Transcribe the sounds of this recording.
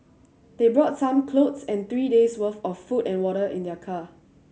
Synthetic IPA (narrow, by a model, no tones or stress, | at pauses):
d̥ebɹɔtsãmkʰlotsɛ̃nt̪ɹiːdeswəθɔffutɛ̃nwɔɾəʔĩndɛkʰa